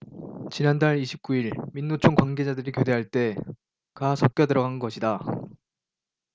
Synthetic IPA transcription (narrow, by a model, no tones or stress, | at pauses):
t͡ɕinandaɭiɕʰip̚k͈uiɭminːot͡ɕʰoŋkwaŋɡe̞d͡ʑadɯɾikjode̞ɦaɭt͈e̞ | kasʰʌp̚k͈jʌdɯɾʌɡannɡʌɕʰida